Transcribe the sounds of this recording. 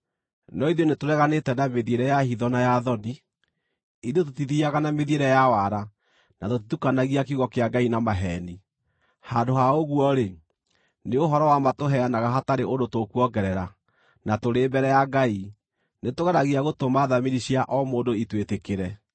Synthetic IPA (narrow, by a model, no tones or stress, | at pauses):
nɔiðɔnetoɾɛɣanetɛnameðieɾɛjahiðɔnajaðɔni | iðjot̬otiðiaɣanameðieɾɛjawaɾa | natotitukanaɣiakiuɣɔkeaɡainamaɦɛni | handoɦaoɣuɔɾe | neoɦɔɾɔwamatoɦɛanaɣaɦataɾeʔondotokuɔɡɛɾɛɾa | natoɾeːbɛɾɛjaɡai | netoɣanaɣiaɣotomaðamiɾiɕiaʔɔmoːndoitwetekeɾɛ